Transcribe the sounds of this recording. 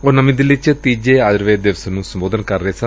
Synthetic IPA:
onəmĩːd̪ɪlɪt͡ʃt̪iːd͡ʒeːaːd͡ʒɾʋeːd̪eːʋsənũːsəmboːd̪ənkəɾːəeːsə

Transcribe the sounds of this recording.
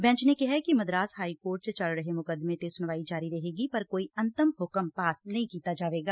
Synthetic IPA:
bɛ̃ːt͡ʃnekɛɦɛkimɐd̪ɾaːsɦaːikoːɾʈ̚t͡ʃət͡ʃɐɭɾɐɦemʊkəd̪mẽt̪esʊnʋaːid͡ʒaːɾiɾɐɦeːɡipɐɾkoːiɐ̃nt̪əmɦʊkəmpaːsnɐɦĩkiːt̪ad͡ʒaːʋeːɡaː

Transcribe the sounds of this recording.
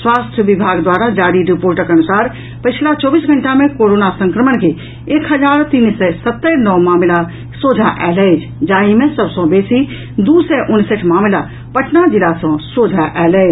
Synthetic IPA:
swaːst̪ʰjəʋɪbʱaːɡd̪waːɾad͡ʒaːɾiɾipoːɾʈəkɐnʊsaːɾ | pət͡ʃʰlat͡ʃɔːbiːsɡʱə̃ɳʈamẽkoːɾoːnasə̃ŋkɾəmənke | eːkɦəd͡ʒaːɾt̪iːnsɛsət̪ːənɔːmaːmla | soːd͡ʒʱaʔɛːlɛd͡ʒ | d͡ʒaːimẽsəbsɔ̃beːsi | d̪uːsɛʔʊnsəʈʰmaːmla | pəʈʰnad͡ʒɪlasɔ̃soːd͡ʒʱaʔɛːlɛːɪ

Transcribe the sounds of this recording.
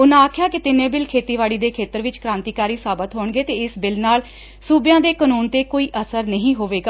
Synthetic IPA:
ʊnãːaːkʰɪjaːkɪt̪ɪnẽːbɪlkʰeːt̪iːʋaːɽiːd̪eːkʰeːt̪əɾʋɪt͡ʃkɾãːnt̪iːkaːɾiːsaːbət̪ɦoːɳɡeːt̪eːɪsbɪlnaːl | suːbjãːd̪eːkənuːnt̪eːkoːiːʔəsəɾnəɦĩːɦoːʋeːɡaː

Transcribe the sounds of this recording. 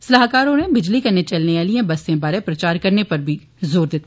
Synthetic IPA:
sɐlaːɦkaːɾõnẽbɪd͡ʒlikɐnet͡ʃɐlneaːliẽbɐst̪ẽbaːɾepɾɐt͡ʃaːɾkɐɾnepɐɾbʱi | zoːɾd̪ɪt̪ʰa

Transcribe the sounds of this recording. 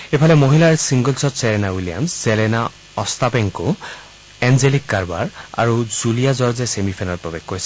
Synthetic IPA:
epʰalɛmoɦilaɹsiŋɡɔlsɔtsɛlɛnawilija̰msz̥ɛlɛna | ɔst̪apeŋko | ɛnzelikːaɹba̰ɹa̰ɹuzulijazɔɹzɛsemipʰɛnɔɹpɔbeɡkːojsɛ̥

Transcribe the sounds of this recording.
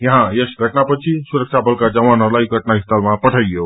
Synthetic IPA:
jəɦãjesɡʱəʈnapət͡ʃʰisuɾək̚t͡ʃʰabʱəlkad͡ʒəʋanɦəɾlaiɡʱəʈnaɦist̪əlmãpəʈʰəɡjo

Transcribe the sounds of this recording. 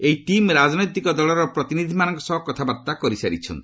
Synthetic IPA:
ejʈimɾad͡ʒnɔjt̪ikɔd̪ɔlɔɾɔpɾɔt̪inid̪ʱimanɔŋkɔsɔɦɔkɔt̪ʰabaɾt̪akɔɾisaɾit͡ʃʰɔ̰nt̪i̥

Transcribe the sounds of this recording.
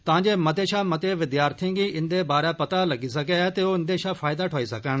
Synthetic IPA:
t̪ɐʋ̤ãːɲd͡ʒemɐt̪eʃãːmɐt̪eʋɪd̪jaːɾt̪ʰĩŋɡiɪ̃nd̪ebaːɾjapɐt̪alɐɡisɐɡet̪eoɪ̃nd̪eʃãːfaːjd̪aʈʰoːisɐkaːɽ̃

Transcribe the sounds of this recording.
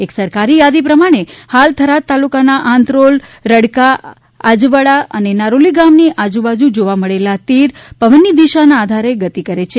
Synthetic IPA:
eksəɾkaɾijad̪ipɾəmaɽ̃ehalt̪ʰəɾat̪alukanaʔãnt̪ɾolɾəɽka | ad͡ʒʋəɽaʔə̰nenaɾoliɡamniʔad͡ʒubad͡ʒud͡ʒoʋaməɭelat̪iɾpəʋənːid̪iʃanaːd̪ʱaɾeɡət̪ikəɾet͡ʃʰe

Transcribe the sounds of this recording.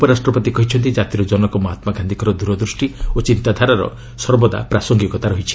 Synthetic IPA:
upɔɾasʈɾɔpɔt̪ikɔɦit͡ʃʰɔnt̪id͡ʒat̪iɾɔd͡ʒɔnɔkɔmɔɦat̪maɡand̪ʱikɔɾɔd̪uɾɔd̪ɾusʈiot͡ʃint̪ad̪ʱaɾaɾɔ̰ | sɔɾbɔd̪a̰pɾasɔŋɡikɔt̪aɾɔɦit͡ʃʰi̥

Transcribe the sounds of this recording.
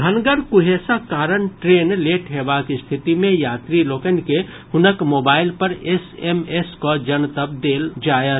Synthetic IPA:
ɡʱənɡəɾkuɦesakaːɾənʈɾeːnleʈɦebakist̪ʰit̪imẽjaːt̪ɾilokənke | hʊnəkmoːbaːɪlpəɾesemeskɔd͡ʒənt̪əb̚d̪eːld͡ʒajə

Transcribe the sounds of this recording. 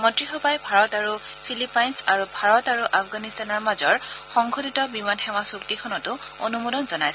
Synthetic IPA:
mɔntɹixɔpajbʱaɹɔtaɹupʰilipajnsaɹubʱaɹɔtaɹuʔafʰɡanistanɔɹmazɔɹxɔŋɡʱʰoditɔbimanxɛwasuktikʰɔnɔtʊo̰numodɔnzɔnajsɛ

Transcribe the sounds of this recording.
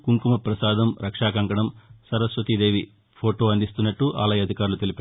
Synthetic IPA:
kuŋkumɐpɾɐsaːd̪ʱɐmɾɐkʂaːkɐŋkɐɳɐmsɐɾɐsʋɐt̪id̪e̞ːʋi | pʰoːʈo̞ːɐnd̪ist̪unːɐʈːuʔa̰ːlɐjɐɐd̪ʱikaːɾulut̪e̞lipaː

